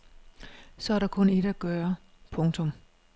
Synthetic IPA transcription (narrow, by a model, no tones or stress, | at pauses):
sɒ̽æɐɾ̥ɑ̈kʰɔ̽ne̝d̥əæɡ̥œːɐ | pʰɔ̽ŋt͡sʰɔ̽m